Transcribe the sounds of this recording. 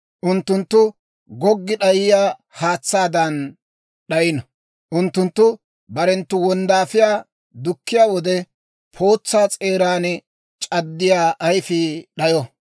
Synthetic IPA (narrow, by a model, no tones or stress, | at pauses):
ʔʊnt̪ːʊnt̪ːʊ | ɡɔɡːɪɗɐjɪjaː | haːt͡sːaːd̪ɐn | ɗɐjɪnɐ | ʔʊnt̪ːʊnt̪ːʊ | bɐɾɛnt̪ːʊwɔnd̪aːfɪjaː | d̪ʊkːɪjaːwɔd̪ɛ | pʰo̞ːt͡sːaːt͡sʼe̞ːɾaːn | t͡ʃʼɐd̪ːɪjaːʔɐjfɪɗɐjɔ